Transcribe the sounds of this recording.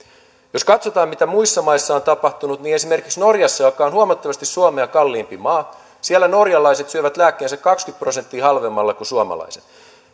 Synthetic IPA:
joskɑt̪so̞t̪ɑːmit̪æmuisːɑmɑisːɑont̪ɑpɑht̪unut̪niːne̞sime̞rkiksno̞rjɑsːɑjokːɑonhuomɑt̪ːɑʋɑst̪issuomeɑkɑlːiːmpimɑː | sielːæno̞rjɑlɑjse̞t̪syøʋæt̪læːkːeːnsækkɑkskyt̪̚pro̞sent̪ːiːhɑlʋe̞mːɑlːɑkusuomɑ̰lɑ̰ise̥t̪

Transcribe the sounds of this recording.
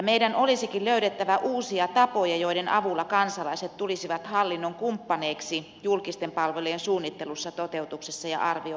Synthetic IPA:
ɑmeidænolisikilløyɾet̪ːæʋæʔuːsiɑt̪ɑpojɑjoiɾenʔɑ̰ʋulːɑkɑnsɑlɑiset̪t̪ulisiʋɑt̪hɑlːinːoŋkumpːɑneːksi | julkist̪empɑlʋeliːensuːnːit̪ːelusːɑt̪ot̪eut̪uksesːɑjɑ̰ʔɑrʋio

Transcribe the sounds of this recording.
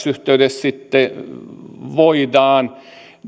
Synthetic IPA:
syht̪eyd̪essit̪ːe | ʋoid̪ɑːn

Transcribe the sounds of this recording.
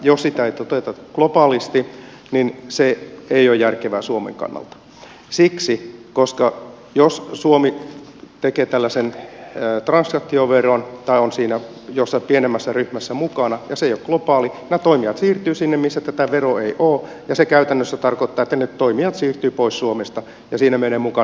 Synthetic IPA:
jossit̪æeit̪ot̪et̪ɑklopɑːlist̪i | ninseeijojjærkeʋæːsuomḛŋkɑ̰nːɑ̰lt̪ɑ̥ | siksikoskɑ | jossuomit̪ekeːt̪ælːæsenːt̪rɑnsɑkt̪ːioʋeront̪ɑionsiːnæ | josːɑpienemːæsːæryhmæsːæmukɑnɑjɑseijokɡ̥lopɑːlinæt̪oimiɑt̪siːrt̪yːsinːemmisːæt̪æt̪æʋeroeiʔoː | jɑsekæyt̪ænːøsːæt̪ɑrkot̪ːɑːet̪ːænett̪oimiɑt̪siːrt̪yːpoissuomest̪ɑ | jɑsiːnæmeneːmukɑ

